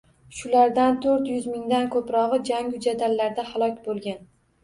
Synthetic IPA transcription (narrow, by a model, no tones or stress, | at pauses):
ʃʊlaɾd̪ant̪ʰɵɾt̪jʊzmɪŋd̪ankʰɵpɾɒʁɨd͡ʒaŋʊd͡ʒad̪alːaɾd̪ahalˠɒkʲbolˠɡʲan